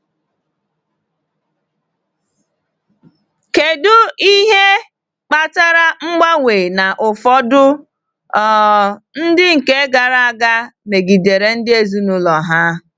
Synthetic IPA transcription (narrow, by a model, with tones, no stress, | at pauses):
ke˨dʊ˦i˦ɦe˦ | k͡pa˨ta˦ɾa˦ŋ͡m̩˦ɡ͡ba˦ŋʷeː˨na˨ʔʊ˨fɔ˦dʊ˦ | ɔ˦˨ | n̩˦dɪ˦ŋ̩˨ke˦ɡa˨ɾa˦a˦˨ɡa˦me˨ɡi˨de˨ɾe˨n̩˦dɪ˦e˦zu˦nʊ˦lɔ˨ɦa˦